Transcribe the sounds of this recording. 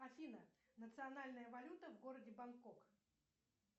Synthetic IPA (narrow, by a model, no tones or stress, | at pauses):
ɐfʲinənət̪sɨɐnalʲnəjəvɐlʲut̪əvɡo̞ɾədʲɪbɐnkok